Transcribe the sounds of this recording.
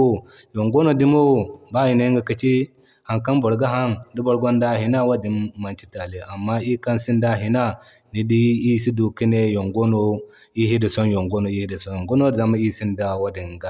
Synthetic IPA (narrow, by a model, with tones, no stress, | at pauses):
jo˨ŋɡo˦no˨di˦mo˦˨ba˦hi˨na˦i˦ŋɡa˨ki˦t͡ʃi˦ | ha˨ŋka˦nbo˨ɾɡa˦ɦa˦ndi˦bo˨ɾɡo˦nda˦hi˨na˦wa˦di˨nːa˨nt͡ʃi˦ta˨le˨ʔa˨mːa˦i˦ka˦nsi˦nda˦ɦi˨na˦ | ni˨di˦i˦si˦du˨ki˦ne˦jo˨ŋɡo˦no˦ | i˦ɦi˦di˨so˦njo˨ŋɡo˦no˨i˦hi˦di˨so˦jo˨ŋɡo˦no˦za˨ma˦i˦˨si˦nda˦wa˦di˨nɡa˦